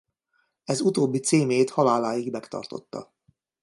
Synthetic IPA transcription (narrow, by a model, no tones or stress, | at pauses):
ɛzut̪oːbːit̪seːmeːt̪hɒlaːlaːjiɡmɛkt̪ɒ̰rt̪o̞̰t̪ːɒ̰